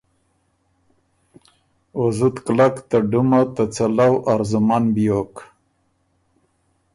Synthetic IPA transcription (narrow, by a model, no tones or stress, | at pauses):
ozut̪klakt̪aɖumat̪at͡salawʔaɾzʊmanbijok